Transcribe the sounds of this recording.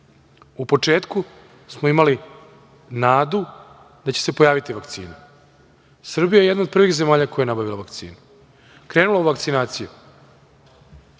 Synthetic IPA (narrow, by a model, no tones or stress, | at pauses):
upo̞t͡ʂeːt̪ku | smoimali | naːd̪u | d̪at͡ɕese̞po̞jaːʋit̪iʋakt̪sḭːnu | sr̩bijajee̞d̪nao̞d̪̚pr̩ʋiɣze̞maːʎako̞jajenabaʋilaʋakt̪sḭːnu | kɾe̞ːnulauʋakt̪sinaːt̪siju